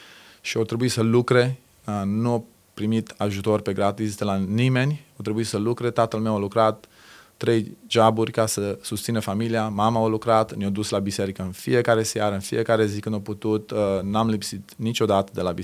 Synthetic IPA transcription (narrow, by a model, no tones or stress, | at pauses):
ʃiot̪ɾe̞buit̪səlukɾe̞ | ənuo | pɾimit̪aʒut̪o̞rʲpe̞ɡɾat̪isd̪əlanime̞nʲot̪ɾe̞buisəlukɾe̞t̪at̪əlmewalukɾat̪ː | ɾe̞jʒaburʲkasəsust̪sinəfamiliamamaolukɾat̪njod̪uslabise̞ɾikəɨnfḭje̞kaɾe̞sjaɾəɨnfḭʔe̞kaɾe̞zikɨnd̪oput̪ut̪namlipsit̪nit͡ʃo̞d̪at̪əd̪e̞labi